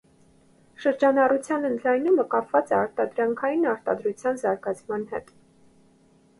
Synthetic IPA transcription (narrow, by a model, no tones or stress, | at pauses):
ʃəɾd͡ʒɑnɑrut͡sʰjɑnənd̪lɑjnuməkɑpʰvɑt͡sɛɑɾt̪ɑd̪ɾɑŋkʰɑjinɑɾt̪ɑ̰d̪ɾut͡sʰjɑnzɑɾɡɑt͡sʰmɑnhɛ̰t̪